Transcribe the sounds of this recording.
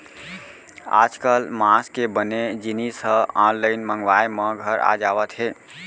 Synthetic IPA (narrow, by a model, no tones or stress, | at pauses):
a̰d͡ʒkəlmaskebəned͡ʒinisəɔnləɪnməŋɡʋajməɡʱəɾa̰d͡ʒabət̪ɦe